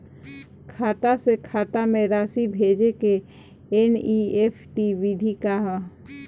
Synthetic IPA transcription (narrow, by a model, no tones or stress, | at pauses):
kʰaːt̪asekʰaːt̪amẽɾaːsibʱeːd͡ʒeke | enieːpʰʈiʋid̪ʱikaɦ